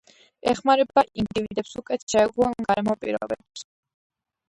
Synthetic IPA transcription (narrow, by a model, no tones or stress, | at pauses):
ɛχmaɾɛbaʔind̪ivid̪ɛpsukʼɛt̪ʰʃɛːɡuanɡaɾɛmɔpʼiɾɔ̰bɛbs